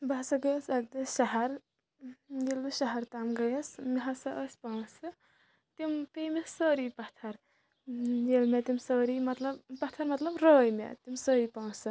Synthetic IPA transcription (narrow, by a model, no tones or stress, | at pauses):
bɐsɐɡɐjɐsɐɡ̚d̪ɨʃɐɦɐɾ | jelɨʃɐɦɐɾt̪amɡɐjɐsmiɦɐsɐʔəsʲpawsɨ | t̪impemesəːɾipɐt̪ʰɐɾ | jelmet̪imsəːɾimɐt̪lɐbpɐt̪ʰɐɾmɐt̪lɐbɾəːjmḛt̪imsəːɾipawsɨ